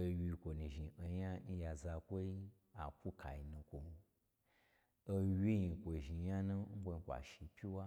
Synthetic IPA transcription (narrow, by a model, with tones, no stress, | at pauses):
o˧wi˧kʷo˨nũ˨ʒi˨o˨ja˦n̩˦ja˨za˧kʷo˦i˦ | a˨kʷu˦kʰa̰˨ji˨nũ˧kʷo˨˧ | o˧wʲi˦ji˧˨kʷo˨ʒi˨ja˦nũ˦ŋ̩˦kʷo˧i˧˦kʷa̰˨ʃi˨pʲi˦wa˦